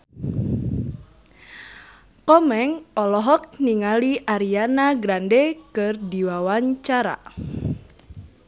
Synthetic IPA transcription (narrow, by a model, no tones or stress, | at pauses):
kɔmɛŋɔlɔɦɔk̚niŋaliʔaɾianaɡɾandekɨrdiwawaɲt͡ʃaɾa̰